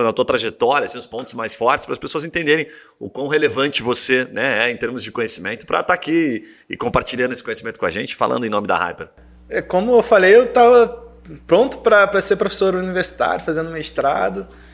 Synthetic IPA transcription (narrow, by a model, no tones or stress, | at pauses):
d̪ɐt̪uɐt̪ɾaʒet̪ɔɾiɐsẽʊspõt̪ʊ̥zmajsfɔɾt͡ʃɪspɾɐspesoɐzẽnt̪ẽnd̪eɾẽj̃ | ʊkwɐ̃w̃ɦelevɐ̃nt͡ʃɪvosenɛɛẽt̪eɾmʊzd͡ʒɪkõɲesimẽnt̪ʊ̥pɾʔɐ̰t̪aːkiɪ | ɪkõmpaɾt͡ʃiʎɐ̃ɾnesɪ̥kõjesimẽnt̪ʊ̥kõa̰ʒẽnt͡ʃɪ̥fa̰lɐ̰̃nd̪ẽnõmɪd̪ɐ̰ha̰jpeɾ | ɛkõmʊewfalejewt̪avɐ | pɾõnt̪ʊ̥pɾɐpɾɐseɾpɾofe̥soɾuniveɾsi̥t̪a̰ɾjʊfazẽd̪umɪʃt̪ɾa̰d̪ɐ